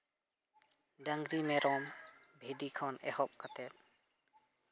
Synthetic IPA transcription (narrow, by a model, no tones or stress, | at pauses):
ɖəŋɡɾimẽɾʔɔːmbʱeɖiːkʰɔnɛ̰hɔp̚kət̪ɛt̪̚